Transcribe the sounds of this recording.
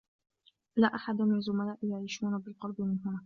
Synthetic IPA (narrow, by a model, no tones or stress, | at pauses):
laːʔaħad̪amɪnazʊmalaːʔɪjaʕiːʃuːnabɪlqɑlbɪmɪnɦʊnaː